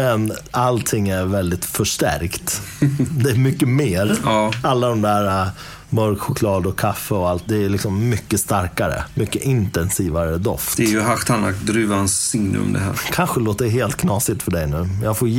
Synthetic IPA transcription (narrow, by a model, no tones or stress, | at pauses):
ɛnalt̪ʰɪŋːæɾvɛld̪ɪt̪fœʂʈæ̰ɾkt̪d̪ɛːɾmʏkːəmeːɾːalːad̪ɔmd̪æːɾa | mœɾkɧʊkʰlɑːd̪ɔkʰafːəɔalt̪̚d̪ɛːlɪksɔmːʏkːəst̪aɾkaɾə̰mʏkːəʔɪnt̪ɛnsiːvaɾəd̪ɔ̰ft̪d̪ɛɾjɵɦaxt̪ʰanakd̪ɾyːvaansːɪŋnə̰ɔ̰md̪ɛ̰ɦæ̰ːɾkʰanɧəloːt̪əɾɦeːlt̪kʰnɑːsɪt̪fœɖɛjnʉ̟ːmjɑːɡfoː